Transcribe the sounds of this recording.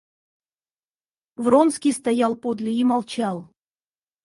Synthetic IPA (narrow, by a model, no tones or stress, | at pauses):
vronskʲijst̪ajɑlˠpod̪lʲɪimalˠt͡ɕɑlˠ